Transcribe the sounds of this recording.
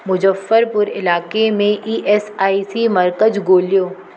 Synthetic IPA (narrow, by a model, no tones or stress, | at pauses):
mʊd͡ʒəfːəɾpʊɾɪ̰laːkemẽʔiːʔɛːsaːisimɐɾkəd͡ʒɡoːlijoː